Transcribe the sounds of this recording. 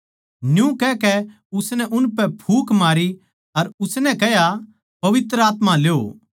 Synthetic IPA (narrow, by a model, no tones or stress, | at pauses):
njũkɛkɛ | ʊsnɛʔʊnpɛpʰuːkmaːɾi | ɐɾʊsnɛ̃kɛja | pɐʋɪt̪ɾəaːt̪mãleːo̰